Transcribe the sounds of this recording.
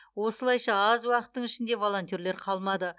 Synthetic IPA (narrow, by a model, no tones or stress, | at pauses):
wo̞səlˠɑjʃɑɑzwɑqə̥t̪ːəɴɪʃɪnd̪e̞vo̞lˠo̞nt̪ijoɾle̞ɾqʰɑlˠmɑd̪ə